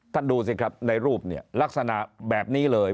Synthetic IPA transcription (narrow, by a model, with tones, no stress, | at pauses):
t̪ʰa˥˩nduː˧s̬i˧˩kɾa˦˥p̚na˧jɾuː˥˩p̚nḭ˥˩ɐla˦˥k̚sa˧na̰˨˩ʔbɛː˨˩p̚niː˦˥lɤː˧j